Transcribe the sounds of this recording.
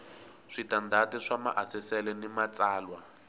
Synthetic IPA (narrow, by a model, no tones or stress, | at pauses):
ʂitandʱatiʂama̰ʔasɛsɛlɛnimat͡saːlwa